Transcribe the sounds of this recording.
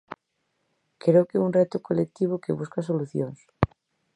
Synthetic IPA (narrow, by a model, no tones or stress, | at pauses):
kɾewkeunret̪okolek̚t̪iβ̞okeβuskas̬oluθjoŋs